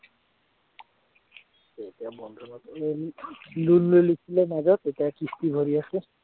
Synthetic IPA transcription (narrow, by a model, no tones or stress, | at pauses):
setiabɔnd̪ʱɔnɔt̪e | lunlojlisʰilemaɡɔt̪etiakist̪ibʱoɾiase